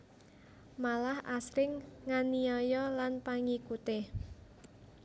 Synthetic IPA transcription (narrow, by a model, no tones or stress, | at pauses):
malahʔasɾɪŋːaniɔjɔlanpaŋikut̪e